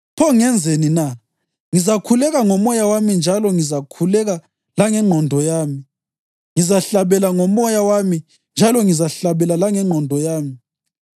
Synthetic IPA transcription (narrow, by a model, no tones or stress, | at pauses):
pʰɔŋɛnd͡zʱenina | ŋizakʰulɛɣaŋɔmɔjawamind͡ʒʱalɔŋizakʰulɛɣa | laŋɛŋ͡ǃʱɔndʱɔjaːmi | ŋizaɬaβɛlaŋɔmɔjawami | nd͡ʒʱalɔŋizaɬaβɛlalaŋɛŋ͡ǃʱɔndʱɔjaːmi